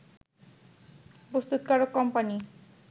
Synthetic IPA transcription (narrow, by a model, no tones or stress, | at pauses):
bost̪ut̪̚kaɾokːɔmpani